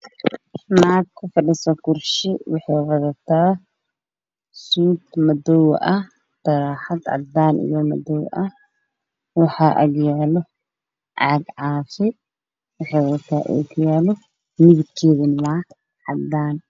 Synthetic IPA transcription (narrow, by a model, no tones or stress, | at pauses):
maːt̪̚kʰʊfɐɗɪsɔkʊrʃɪwɑħɛːwɐðɐt̪ʰaː | suːt̪mɐd̪ɔw̰ʔɐh | d̪̥ɐɾaːħɐd̪ʕɑ̰d̪aːnʔḭjɔmɐ̰d̪ɔw̰ʔɐ | wɑħaːʔɐ̰ɡjaːlɔ | ʕɑɡʕɑːfɪ | wɑħɛwðt̪ʰaːʔɛ̰ːkʰʊjaːlɔ | nɪβɪkʰɛːðɪnwaː | ʕɑd̪aːn